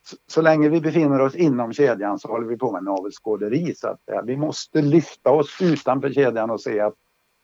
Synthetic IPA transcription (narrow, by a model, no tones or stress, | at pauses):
sɔsɔlɛŋːəvɪbɛfɪnːəɾɔsɪnːɔmɕeːd̪jəansɔɔhɔlːəvɪpʰoːmɪnːvəlskoːd̪əɾiːsʊa̰t̪sɛ̰jːa̰vɪmɔst̪əlʏft̪aɔsʉ̟ːt̪anfœːɕeːd̪janɔseːat̪̚